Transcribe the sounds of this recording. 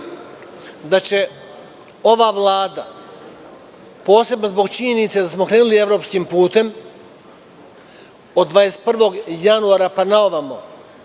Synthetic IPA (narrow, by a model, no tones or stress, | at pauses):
d̪at͡ɕe̞ | o̞ʋaʋlˠaːd̪a | po̞ːse̞bnozbo̞ɡt͡ʃiɲe̞nit̪sed̪asmo̞kɾe̞ːnulie̞vɾo̞pskimpuːt̪e̞m | od̪d̪ːʋaːjest̪̚pr̩ʋo̞ɡjanuaːɾapanaoʋamo